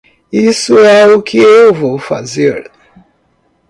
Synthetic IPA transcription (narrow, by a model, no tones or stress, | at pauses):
isʊɛukʰɪewvowfa̰zeɾ